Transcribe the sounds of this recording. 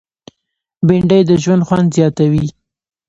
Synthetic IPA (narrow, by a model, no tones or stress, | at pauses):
bɪɳɖəjd̪əʒwand̪xwand̪zjɑt̪awi